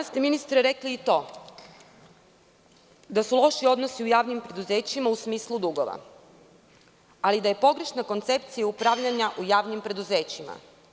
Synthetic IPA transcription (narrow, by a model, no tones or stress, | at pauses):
ast̪eminist̪ɾeɾe̞kliːt̪o̞ː | d̪asulˠo̞ʃio̞d̪no̞siujaːʋnimpɾe̞d̪uze̞ːt͡ɕimausmiːslˠud̪uɡo̞̰ʋa̰ | alid̪aje̞po̞ɡɾe̞ʃnako̞nt̪se̞p̚t̪sijaupɾaʋʎaɲaʔujaːʋnimpɾe̞d̪uze̞ːt͡ɕima̰